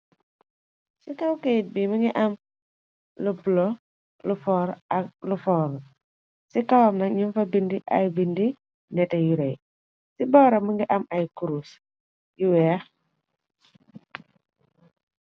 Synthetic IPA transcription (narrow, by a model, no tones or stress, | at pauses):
sikawkejit̚bimiŋɡiʔɐm | lubulɔ | lufɔɾlufɔːɾ | sikawamnɐɲunfɐbindiʔɐ̰jbindi | nɛtɛjuɾej | sibɔːɾɐmuŋɡiʔɐmɐjkuɾus | jiwɛa